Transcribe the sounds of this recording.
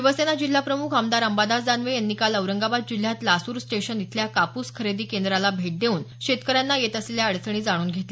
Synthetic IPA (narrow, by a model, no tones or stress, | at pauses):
eʋəsenad͡ʑil̤ːapɾəmukʰəmd̪aɾəmbad̪asd̪anʋejanːikaləʋɾəŋɡabad̪̚d͡ʑil̤jat̪lasuːɾsʈeɕənit̪ʰljakapuskʰəɾed̪iːkend̪ɾalabʱeʈ̚d̪euːnɕet̪kəɾjanːajet̪əsleljaəɽt͡səɳ̃iːd͡zaɽ̃uːnɡʱet̪le